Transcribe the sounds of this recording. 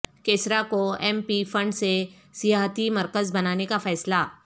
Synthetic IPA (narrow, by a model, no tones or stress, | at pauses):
keːsɾakoempifəɳɖse | sijaɦt̪iməɾkəzbənanekafɛːsla